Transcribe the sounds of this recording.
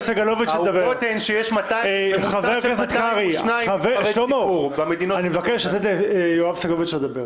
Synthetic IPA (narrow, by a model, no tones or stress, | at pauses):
saɡaloved̪ʃed̪abeʁt̪enʃejeʃmat̪ajχaveʁkazot̪kaʁinaχaveʃlomoamed̪inoanimevakeʃezed̪ejoavsaɡaloveʃed̪abeʁ